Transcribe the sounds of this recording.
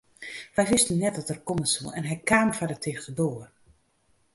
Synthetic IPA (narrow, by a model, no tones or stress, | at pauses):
ʋɛjʋɪstənnːɛt̚dɔtɛrkɔməsəlˠɛ̰nɦɛjkʰaːmfadətʰɪːxtədoːər